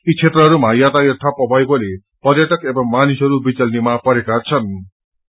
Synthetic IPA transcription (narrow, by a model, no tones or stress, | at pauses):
it͡sʰet̪rʌɦʌɾumajat̪aert̪ʰapʌbʱʌjbole | pʌrjʌʈʌkebʌŋmanisʌɾubit͡sʌlnimapʌɾekat͡sʰʌn